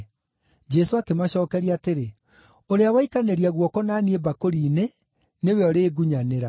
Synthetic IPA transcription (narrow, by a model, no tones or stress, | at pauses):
d͡ʒɛsoakemaɕɔːkɛɾiaːteɾe | oɾeawaikaneɾiaɣwɔkɔnaniebakoɾiːne | neweɔɾeːɡuɲaneɾa